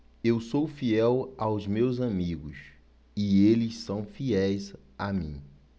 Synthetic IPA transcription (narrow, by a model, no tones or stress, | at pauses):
ewsowfiɛwawzmewzamiɡʊs | ɪelɪssɐ̃w̃fiɛjz | amḭ̃